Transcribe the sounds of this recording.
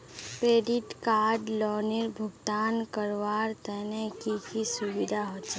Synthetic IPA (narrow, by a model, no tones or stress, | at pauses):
kɾeːɖɪʈkaːɾɖlɔːnɪɾbʱʊɡt̪aːnkəɾʋaːɾt̪ɛnekikisʊʋɪd̪ʱaɦoːtt͡ʃɛ